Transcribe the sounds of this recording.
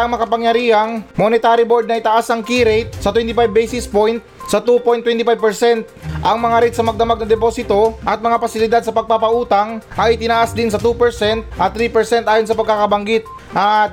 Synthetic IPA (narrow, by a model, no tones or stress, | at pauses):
ɐŋmɐkɐpɐŋjɐɾiːɐŋmonɪt̪aːɾɪbo̞ɹd̪nɐʔɪt̪ɐʔasɐŋkiɾejt̪̚sɐt̪wɛnt̪ɪpajbːejsɪspojnt̪̚sɐt̪upojnt̪wɛnt̪ɪpajb̚pɛɹsɛnt̪̚ʔɐŋmɐŋaɾɛjt̪sɐmɐɡ̚d̪ɐmaɡ̚nɐd̪ɛpo̞ːsɪt̪o̞ʔɐt̪̚mɐŋapɐsɪlɪd̪ad̪̚sɐpɐɡ̚papɐʔuːt̪ɐŋʔɐjɪt̪ɪnaʔasd̪ɪnsɐt̪upɛɹsɛnt̪̚ʔɐt̪ːɾipɛɹsɛnt̪ʔaːjonsɐpɐɡ̚kakɐbɐŋɡit̪̚ | ʔa